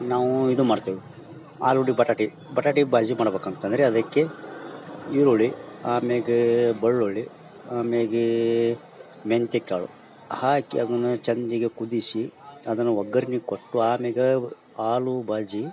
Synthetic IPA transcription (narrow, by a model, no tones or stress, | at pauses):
naːʋuid̪umaːɽt̪iːʋi | aːluɽibɐʈaːʈi | bɐʈaːʈibaːd͡ʒimaːɽɐbeːkɐnt̪ɐnd̪ɐɾeɐd̪ɐkːe | iɾoɭiaːmeːɡebɐɭːoɭːi | aːmeɡe | ment̪ekːea̰ːɭṵ | haːkḭɐd̪ɐnːut͡ʃɐnd̪iɡekud̪isiɐd̪ɐnːuʋɐɡːɐɾinikoʈːuaːmeːɡe | aːlubaːd͡ʒi